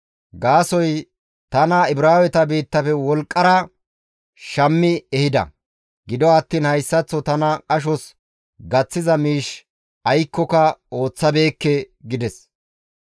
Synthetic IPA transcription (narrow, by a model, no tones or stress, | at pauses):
ɡaːsɔj | t̪ɐnɐɪbɾaːwɛt̪ɐbiːt̪ːɐfɛwɔlkʼːɐɾɐ | ʃɐmːɪɛhɪd̪ɐ̰ | ɡɪd̪ɔɐt̪ːiːnhɐjsːɐt͡sːɔt̪ɐnɐkʼɐʃ̬ɔs | ɡɐt͡sːɪzɐmiːʃ | ɐjkːɔkɐo̞ːt͡sːɐbe̞ːkːɛ | ɡɪd̪ɛs